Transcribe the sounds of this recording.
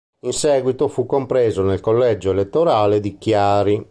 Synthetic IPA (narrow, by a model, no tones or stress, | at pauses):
insɛːɡwit̪ofukːompɾɛːzonelkolːɛd͡ʒoɛlet̪ːoɾaːled̪ikjaːɾi